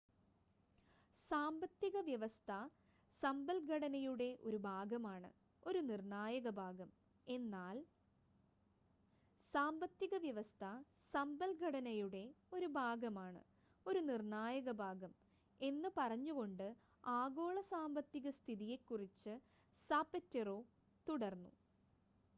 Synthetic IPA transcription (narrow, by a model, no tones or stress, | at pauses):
saːmbɐt̪ːjiɣɐʋjɐʋɐst̪ʰɐ | sɐmbɐlɡʱɐɽɐnɐjuɽe̞ʔo̞̰ɾubʱaːɡɐmaːɳɨ̰ | o̞ɾunirɳaːjɐɣɐbʱaːɡɐm | e̞nːaːl | saːmbɐt̪ːiɣɐʋjɐʋɐst̪ʰɐ | sɐmbɐlɡʱɐɽɐnɐjuɽe̞o̞ɾubʱaːɡɐmaːɳɨ̰ | o̞ɾunirnaːjɐɣɐbʱaːɡɐm | e̞nːɨpɐrɐɲːuɣo̞ɳɖɨ | aːɡo̞ːɭɐsaːmbɐt̪ːiɣɐst̪ʰiðije̞kːurit͡ɕːɨ | saːpɐtːɐroː | t̪uɽɐrnːṵ